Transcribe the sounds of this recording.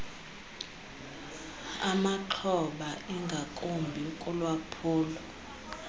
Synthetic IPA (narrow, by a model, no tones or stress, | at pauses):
amaǃʰɔɓaʔiŋɡʱakʼombʱiukʼulwapʰuːla